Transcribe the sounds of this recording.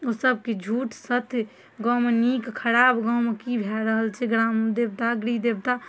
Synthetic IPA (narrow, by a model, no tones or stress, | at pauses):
osəb̚ked͡ʒʱuːʈsət̪ʰ | ɡɔ̃menikkʰəɾaːbɡɔmkibʱɛɾəɦəlt͡ʃʰɛɡɾaːmd̪eːb̚t̪aɡɾid̪eb̚t̪a